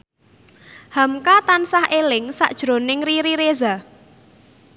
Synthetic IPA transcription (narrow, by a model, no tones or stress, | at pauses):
hamkat̪ansahelɪŋsa̰ʔd̥ʒ̥ɾo̤nɪŋriɾiɾeza